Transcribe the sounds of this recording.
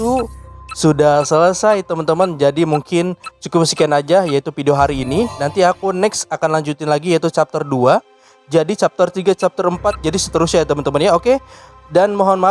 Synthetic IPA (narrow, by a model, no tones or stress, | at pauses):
usudahsələsajt̪əmənt̪əmənd͡ʒadimuŋkɪnt͡ʃukʊmsi̥kɛnad͡ʒajait̪ufideoɦaɾiːninant̪iakunɛksakanlaɲd͡ʒut̪ɪnlaɡijait̪ut͡ʃap̚t̪ərdua | d͡ʒadit͡ʃap̚t̪ərt̪iɡat͡ʃap̚t̪əɾəmpat̪̚d͡ʒadisə̥t̪əɾʊsɲat̪əmənt̪əmənjaoke | danmoɦɔnma